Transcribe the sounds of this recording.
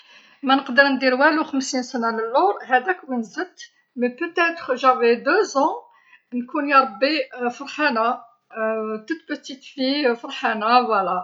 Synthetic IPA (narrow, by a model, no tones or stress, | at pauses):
mænəqd̪əɾnd̪iɾwæluxəmsinsənæləlːʊɾˤhæd̪ækmənzət̪ː | məpət̪æt̪χʒæwid̪øzɑ̃ | nkunjɑɾˤbːifəɾˤħæna | t̪ut̪pət̪it̪fijfɑɾˤħanawælæ